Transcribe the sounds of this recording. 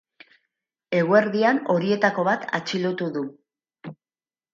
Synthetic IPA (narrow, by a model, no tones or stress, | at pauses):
e̞ɣue̞ɾðiano̞ɾie̞t̪ako̞βat̪a̰t͡ʃilut̪uðu